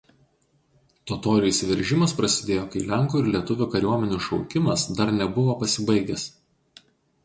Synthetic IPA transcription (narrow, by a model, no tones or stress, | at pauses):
t̪ot̪oːɾʲɪjsʲʋʲɛɾʲʒʲɪmɐspɾɐsʲɪd̪ʲeːjoːkɐɪlʲæŋˑkuːɪɾlʲiɛt̪ʊʋʲuːkɐɾʲuɔmʲɛnʲuːʃɒʊkʲɪmɐsd̪ɐɾnʲɛbʊʋoːpɐsʲɪbɐɪɡʲɛs